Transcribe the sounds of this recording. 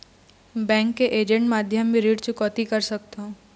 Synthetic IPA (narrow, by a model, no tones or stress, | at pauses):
bɛ̃ːŋkːeʔeːd͡ʒə̃ɳʈmaːd̪ʱjəmːĩɾiːʈt͡ʃʊkɔːt̪ikɐɾsɐk̚t̪eɦũː